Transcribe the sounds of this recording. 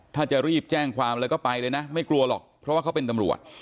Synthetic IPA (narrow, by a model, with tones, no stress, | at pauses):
t̪ʰaː˥˩t͡ɕa˨˩ɾiː˥˩p̚t͡ɕɛː˥˩ŋkʰwaː˧mɾɛː˧˥kɔː˥˩pa˧jlɤː˧jna˦˥ma˥˩jklu˧ɐlɔ̰˨˩k̚pʰɾɔ˦waː˥˩kʰpe˧nt̪a˧mɾṵ˨˩ət̪̚